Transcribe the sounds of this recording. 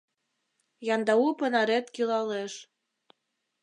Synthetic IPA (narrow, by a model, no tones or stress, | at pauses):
jɑnd̪ɑupə̆nɑɾet̪kilɑleʃ